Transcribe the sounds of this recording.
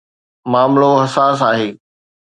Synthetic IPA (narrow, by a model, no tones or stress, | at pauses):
maːmloɦɐsaːs̬aːɦeː